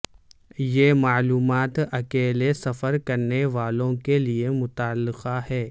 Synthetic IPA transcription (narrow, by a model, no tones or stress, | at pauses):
jeːmaːluːmaːt̪ɐkeːlesɐfəɾkɐɾneʋaːlõkeliemʊt̪aːlːɪqahɛː